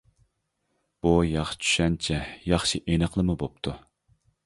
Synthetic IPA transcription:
b̥ujɑχʃt͡ʃʰy̥ʃɛnt͡ʃʰɛjɑχʃiʔenəqlˠəmubop̚t̪ʰu

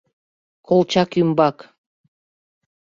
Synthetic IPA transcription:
kʰolˠt͡ɕɑkjymbɑk

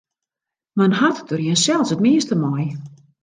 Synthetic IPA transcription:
mənɦatdərjinsɛlˠsətmiəstəmɔj

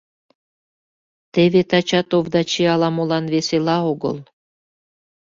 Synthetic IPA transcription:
t̪eβet̪ɑt͡ɕɑt̪ovd̪ɑt͡ɕeɑlˠɑmolˠɑnveselɑoɡɤ̰lˠ

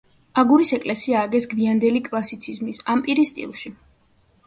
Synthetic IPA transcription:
aɡuɾisɛkʼlɛsiaːɡɛsɡmiand̪ɛlikʼlˠasit̪sʰizmisampʼiɾist̪ʼḭlˠʃi

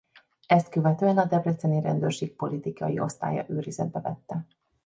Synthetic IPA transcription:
ɛst̪køvɛt̪øːɛnɒd̪ɛbrɛt̪sɛniɾɛnd̪øːrʃeːk̚po̞lit̪ikɒjio̞̰st̪a̰ːjɒ̰ʔøːɾizɛd̪̚bɛvɛt̪ːɛ

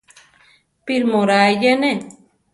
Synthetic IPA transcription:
piɾmoɾajane

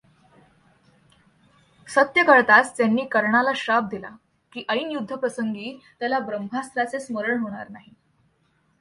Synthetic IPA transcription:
sət̪jəkəɾt̪ast̪janːiːkəɾɳalaɕab̚d̪ila̰ | kiːʔəiːnjud̪ʱːəpɾəsəŋɡiːt̪jalabɾəmbʱast̪ɾat͡sesməɾəɳɦoɽ̃a̰ɾnaɦi

